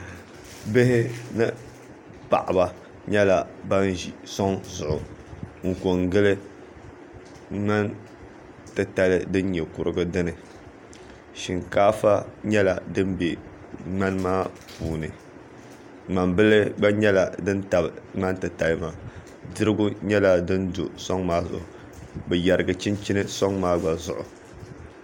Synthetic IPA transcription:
bɪ˦hɪ˦nɨ˦ | pa̰˨ʔa˨ba˨ | ɲɛ˦la˨ba˦nʒi˨sɔ˦ŋzʊ˨ʔʊ̰˨ŋ̩˨ko˨ŋɡɨ˦lɨ˦ | ŋ͡ma˦n | tɨ˨ta˦lɨ˦dɨ˦n˦ɲɛ˨kʊ˨ɾɨ˦ɡɨ˦dɨ˦nɨ˨ | ʃi˨ŋkaː˦fa˦ɲɛ˦la˨dɨ˦m˦be˨ | ŋ͡ma˦n˦maː˦ | puː˨nɨ˨ | ŋ͡ma˨mbɨ˦lɨ˦ɡ͡ba˦ɲɛ˦la˨dɨ˦n˦ta˨bɨ˨ŋ͡ma˦ntɨ˨ta˨lɨ˦maː˨ | dɨ˦ɾɨ˦ɡu˦ɲɛ˦la˦dɨ˦ndṵ˨sɔ˦ŋmaː˦zʊ̰˨ʔ | bɛ˨ja˨ɾɨ˨ɡɨ˨t͡ʃi˦nt͡ʃi˦nɨ˦so˦ŋmaː˦ɡ͡ba˨zʊ˨ʔʊ̰˨

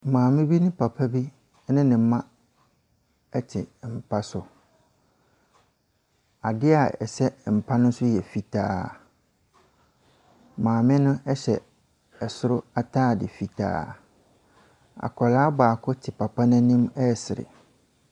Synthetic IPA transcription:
mãː˨mɪ̃˦bi˦nʊ̃˦pʰa˨pʰa˦bi˦ | nɪ̃˦nɪ̃˨˦mã˦ | ɛ˦tʰɪ˨m̩˨pʰa˦sʊ˦ | a˨dɪ˦a˨ɛ̰˨sɛ˦m̩˨pʰa˦nʊ̃˦sʊ˦jɛ˨fi˨tʰaː˦ | mãː˨mɪ̃˦nʊ̃˦ʔɛ˦ɕɛ˨ | ɛ˨sʊ˦ɾʊ˦a˦tʰaː˦˨dɪ˨fi˨tʰa̰ː˨ | a̰˨kʰɔ˨laː˦baː˨kʰʊ˦tʰɪ˨pa˨pʰa˦nã˦nĩ˦mɛ˦˨sɪ˨ɾɪ̰˨

